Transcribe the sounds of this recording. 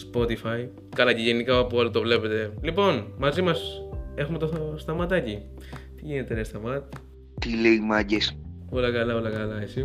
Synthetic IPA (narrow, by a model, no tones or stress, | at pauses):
spo̞t̪ifɐj | kɐlɐceʝenikɐpuolit̪o̞vle̞pe̞t̪e̞lipo̞nmɐzimɐse̞xumet̪ost̪ɐmɐt̪ɐci | t̪iʝine̞t̪eɾest̪ɐmɐt̪̚ | t̪ileimɐɟespolɐkɐlɐolɐkɐlɐesi